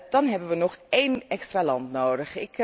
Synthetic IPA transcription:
d̥ɑnɦɛbənʋənɔχejnɛkstralɑntnoːdəχɪk

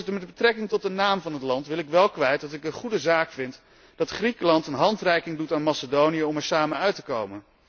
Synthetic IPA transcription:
dəmɛdbətrɛkɪŋtɔt̚dənaːmvɑnɦətlɑntʋɪlɪkʋɛlˠkʋɛjt̚dɑtɪkənχudəzaːkfɪnt | d̥ɑtχrikəlɑntənɦɑntrɛjkɪŋdutaːnmɑsədownijəɔmɛɹsaːmənœɥtəkowmən

